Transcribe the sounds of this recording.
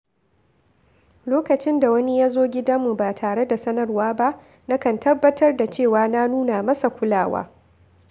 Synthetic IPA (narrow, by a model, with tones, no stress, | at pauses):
loː˦kɐ˨t͡ʃɪ˦nda˨wɐ˦ni˦jaː˦zoː˦ɡʲɪ˦da˦mːu˨baː˨tʰaː˨ɽe˦da˨sɐ˦nɐ˨rwaː˦ba˦ʔ | na˦kɐ˨ntɐ˦bːɐ˦tʰɐ˦rda˨t͡ʃeː˦˨waː˨na˦nuː˦na˨mɐ˦sa˨kʷʊ˦laː˦˨wa̰ː˦